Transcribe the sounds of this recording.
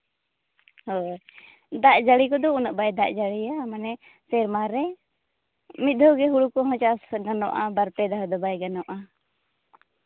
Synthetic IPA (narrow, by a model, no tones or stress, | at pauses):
hɔ | d̪aʔd͡ʒaɽikɔd̪ɔunaʔbajd̪aʔd͡ʒaɽiamanɛ | sɛɾmaɾɛ | mit̪̚d̪ʱɔɡɛɦuɽukɔɦɔ̃t͡ʃasɡanɔ̰ʔabaɾpɛd̪aɦɔd̪ɔbajɡanɔʔa